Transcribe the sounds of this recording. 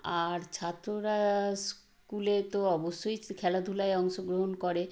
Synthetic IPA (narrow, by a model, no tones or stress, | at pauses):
aɾt͡ɕʰat̪ːɾoɾas | kulet̪oɔboʃːojkʰɛlad̪ʱulaeɔŋʃoɡɾoɦonkɔɾe